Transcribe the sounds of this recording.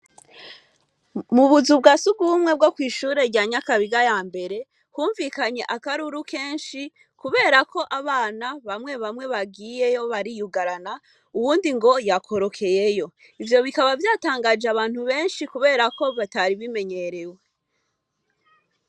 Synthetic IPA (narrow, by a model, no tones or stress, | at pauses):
muβuzub̚ɡaːsuɡuβumŋe̞b̚ɡokwiːʃuːɾe̞ɾɟaːɲakaβiɡajaːmbe̞ɾe̞ | huːɱvikaɲe̞ʔakaɾuɾuke̞ːnʃi | kuβe̞ːɾako̞ʔaβaːnaβamŋe̞βamŋwe̞βaɡiːje̞jo̞βaɾijuɡaɾana | uβuːndiŋɡo̞jakʰo̞ɾo̞kʰe̞je̞jo̞ | ivjo̞βikaβavjaːtaːŋɡad͡ʒeaβaːn̥huβe̞ːnʃikuβe̞ːɾako̞βataɾiβime̞ɲe̞ɾe̞we